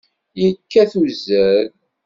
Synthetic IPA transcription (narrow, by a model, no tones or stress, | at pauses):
jəkːæθuzæl